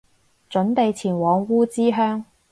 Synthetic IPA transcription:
t͡ʃɵ˨˥nt̪e˨˧jt͡sʰiː˨˩nwɔː˨˧ŋwuː˥t͡siː˥ɦœː˥ŋ

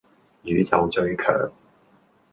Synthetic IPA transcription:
jyː˨˥t͡sɐ˨wt͡ʃɵ˧ɥkʰœ̰ː˨˩ŋ

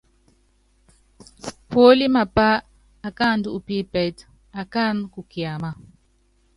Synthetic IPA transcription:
po˦li˦ma˨pa˦ | a˨ka˦˨n˦du˦u˨pi˦pɛ˨t | a˨ka˦nku˨kja˨ma˨

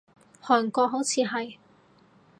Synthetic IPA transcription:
hɔː˨˩nkɔː˧k̚ɦo˨˥wt͡sʰiː˨˧ɦɐ˨j

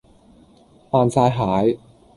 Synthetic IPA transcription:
faː˧nsaː˧jɦaː˨˥j

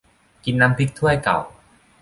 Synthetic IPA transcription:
ki˧nːa˦˥mpʰi˦˥k̚t̪ʰu˥˩əjka̰˨˩w

